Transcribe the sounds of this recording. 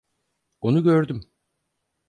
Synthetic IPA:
onuɟøɾd̪ym

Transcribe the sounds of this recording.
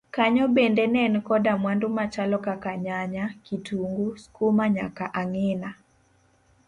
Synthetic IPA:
kaɲɔbendɛnɛnkɔdamwandomat͡ʃalɔkakaɲaɲakituŋɡuskomaɲakaʔaŋɛna

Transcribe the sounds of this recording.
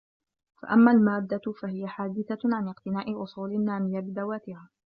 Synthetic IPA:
fa̰ʔamːaːlmaːd̪ːafaɦɪjaħaːd̪ɪθaʕanɪqt̪ɪnaːʔɪʔʊsˤuːlɪnːaːmɪjabɪd̪awaːt̪ɪhaː

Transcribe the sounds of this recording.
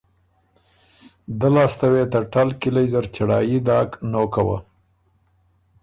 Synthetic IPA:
d̪əlɑst̪awet̪aʈalkilajzəɾt͡ʃaɽɑ̰ːjid̪ɑːknokawa̰

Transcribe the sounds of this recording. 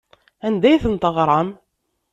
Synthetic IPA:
ænd̪æjθənt̪əʁɾˤɑm

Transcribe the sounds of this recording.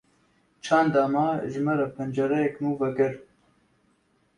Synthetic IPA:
t͡ʃʰaːnd̪aːmaːʒɪmɛɾapʰɛnd͡ʒɐɾɛjɛknuːvɛɡɨɾ

